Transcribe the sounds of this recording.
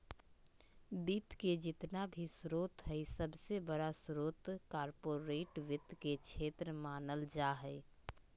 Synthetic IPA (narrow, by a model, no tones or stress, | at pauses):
biːt̪ked͡ʒɪt̪nabʱisɾoːt̪ɦəisəbsebəɽasɾoːt̪kaːɾpoːɾeːʈʋɪt̪ket͡ʃʰeːt̪ɾəmaːnəld͡ʒaːɦəɪ